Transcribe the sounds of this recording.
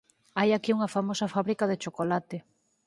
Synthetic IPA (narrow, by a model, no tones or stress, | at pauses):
ajakiuŋɐfamosɐfaβɾikaðet͡ʃokolat̪ɪ